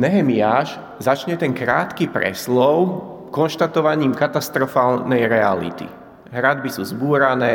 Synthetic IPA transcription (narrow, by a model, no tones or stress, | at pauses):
nɛɦɛmiaːʃ | zat͡ʃɲɛt̪ɛŋkɾa̰ːt̪kipɾɛ̰slɔʊkɔnʃt̪at̪ɔʋaɲiːmkat̪ast̪ɾɔfaːlnɛjɾɛalḭt̪ḭ | ɦɾad̪bisuːzbuːɾanɛː